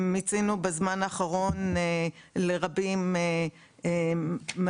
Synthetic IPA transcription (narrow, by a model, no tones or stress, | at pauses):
mit͡sinubezmanaːχaʁo̞nele̞ʁabime | em